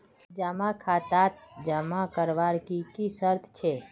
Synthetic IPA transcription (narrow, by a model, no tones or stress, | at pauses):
d͡ʒamakʰaːt̪at̪d͡ʒamãkəɾʋaɾkikisəɾt̪ʰt͡ʃʰe